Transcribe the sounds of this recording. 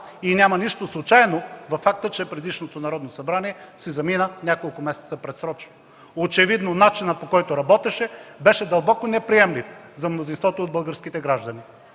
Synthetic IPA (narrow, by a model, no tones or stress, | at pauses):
inʲamɐniʃt̪oslˠʊt͡ʃajnovɐfːak̚t̪ət͡ʃɛpɾɛd̪iʃnot̪onɐɾɔd̪nosɐbɾaniɛsɛzɐminənʲakolˠkʊmɛsɛt̪səpɾɛt̪sɾɔt͡ʃno | ot͡ʃɛvid̪nonat͡ʃinətpokɔjt̪oɾɐbɔt̪ɛʃɛbɛʃɛd̪ɐlˠbɔkonɛpɾiɛmlifzɐmnozinst̪vɔt̪ood̪̚bəlˠɡəɾskit̪ɛɡɾaʒd̪ɐni